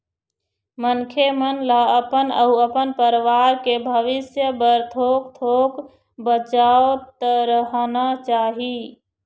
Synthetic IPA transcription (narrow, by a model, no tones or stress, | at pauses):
mənkʰemənlaəpənəuəpənpəɾʋaːɾkebʱəʋɪsjəbəɾt̪ʰoːkt̪ʰoːk | bət͡ʃaot̪əɾəɦnat͡ʃaːɦi